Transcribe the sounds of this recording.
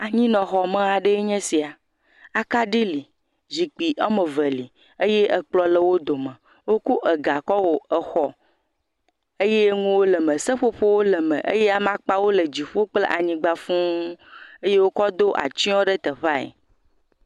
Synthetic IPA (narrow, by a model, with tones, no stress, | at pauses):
a˨ɲĩ˦nɔ̃˨xɔ˨mə̃˦a˨ɖe˦e˦ɲɛ̃˦si˨a˨ | a˨ka˦ɖi˦li˨ | zi˨k͡pi˨ʔɛ˦mə̃˨və˨li˨ | e˦je˦ʔə˨k͡plɔ˨lə˨wo˦d̪o˨mə̃˨ | wo˦ku˦ʔə˨ɡa˨kɔ˦wo˨ə˨xɔ˨ | e˦je˦ŋũ˦wo˦lə˨mə̃˨sə˦ɸo˦ɸo˦wo˦lə˨mə̰̃˨ʔḛ˦je˦a˦mã˦k͡pa˦wo˦lə˨d͡ʑi˨ɸo˦k͡ple˦ʔa˨ɲĩ˦ɡ͡ba˦fũ˦ | e˦je˦wo˦kɔ˦d̪o˦ʔa̰˨t͡ɕi˦ɔ̃˦ɖə˦t̪ə˨ɸa˦ḛ˨